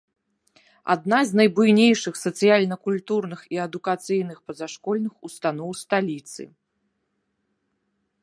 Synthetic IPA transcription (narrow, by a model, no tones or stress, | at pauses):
a̰d̪nazʲnɐjbujnʲejʂɨxsɐt̪sɨjalʲnɐkulʲt̪urnɨxiɐd̪ukat̪sɨjnɨxpɐzaʂkɔlʲnɨxust̪anɔwst̪alʲit̪sɨ̰